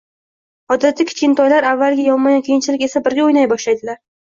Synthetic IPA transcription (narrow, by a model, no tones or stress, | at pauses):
hɒd̪ɪɾat̪ʰːakʲʰe̥t͡ʃʲɪnt̪ʰɒjlaɾavːalɡʲajɒmajɒnkʲʰejɪnt͡ʃʰɪlɪkʲe̞sabɪɾɡʲaojnajbɒʃlajd̪ɪlaɾ